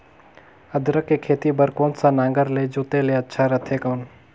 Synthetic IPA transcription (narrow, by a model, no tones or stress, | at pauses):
əd̪ɾəkːekʰeːt̪ibəɾkõːnsanãːŋɡəɾled͡ʒoːt̪eleɐtːʃʰaɾət̪ʰekəːn